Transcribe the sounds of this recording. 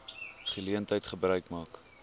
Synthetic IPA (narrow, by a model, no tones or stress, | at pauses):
χəliəntɦəjtχəbrœɥkmɑːk